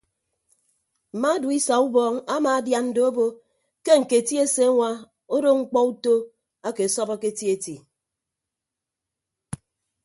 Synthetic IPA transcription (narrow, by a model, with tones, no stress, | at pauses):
m̩˨ma˦du˨i˦sa˨u˦bɔː˦ŋa˦maː˨a˦dja˦nn̩˦do˦o˦bo˦ | ke˦ŋ̩˨ke˨ti˦e˦se˦a˦ŋʷa˦ | o˦do˦ŋ̩˦k͡pɔ˦u˦to˦ | a˦ke˨sɔ˦ba˦ke˦ti˦e˨ti˨